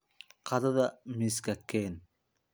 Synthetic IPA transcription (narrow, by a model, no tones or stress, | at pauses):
qʰɑðɐðɐmɪskʰɐkʰɛːn